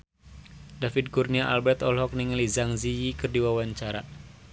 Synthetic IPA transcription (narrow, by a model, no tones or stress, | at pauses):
dafid̪̚kurniaʔa̰lbɛt̪ɔlɦɔk̚niŋəlizaŋzijikərdiwawaɲt͡ʃaɾa